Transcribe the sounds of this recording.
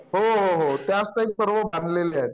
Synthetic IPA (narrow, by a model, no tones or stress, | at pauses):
ɦoɦoɦot̪jasʈ̪aip̚səɾʋəbãnd̪leleaet̪